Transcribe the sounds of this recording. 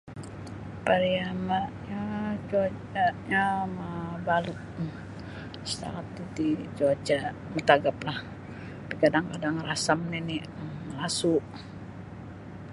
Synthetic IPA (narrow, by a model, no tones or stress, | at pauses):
paɾiamaʔjat͡ʃuat͡ʃaʔjamabalət̪̚ | sə̥t̪a̰ŋat̪dut̪it͡ʃuat͡ʃa | mət̪aɡaplah | pikadaŋkadaŋrasamnini | əlasuʔ